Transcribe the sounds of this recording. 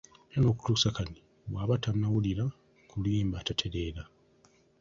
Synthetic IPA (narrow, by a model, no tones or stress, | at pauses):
jano̞ːku̥tuːsakani | βwaːβatanawuliɾa | kuliːmbatatʰe̞ɾeɾa